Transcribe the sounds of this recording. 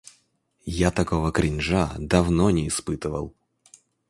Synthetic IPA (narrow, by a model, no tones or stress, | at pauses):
jat̪ɐkovəkɾʲɪnʲʐad̪ɐvnɔnʲɪːspɨt̪ɨvə̰lˠ